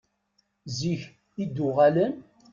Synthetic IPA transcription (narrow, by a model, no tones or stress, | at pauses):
ziç | id̪ːʊʁælən